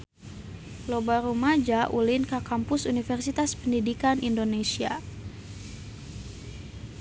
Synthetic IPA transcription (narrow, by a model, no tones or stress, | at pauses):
lobaɾumad͡ʒaʔulinkakampʊsunifərsit̪aspəndidikanindonesia